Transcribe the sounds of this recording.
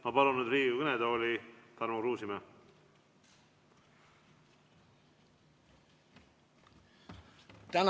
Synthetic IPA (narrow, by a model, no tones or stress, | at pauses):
mɑpɑluned̪ɾiːɡkɯned̪oːlit̪ɑrmuɾuːsimæ | t̪æn